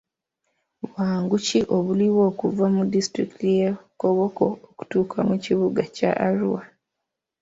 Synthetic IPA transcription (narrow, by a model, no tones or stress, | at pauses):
βwaːŋɡuciʔo̞βuliwo̞ːkuvamudistɾḭktijeko̞βo̞ko̞oku̥tuːkʰamuciβuɡaca̰ʔaɾuwa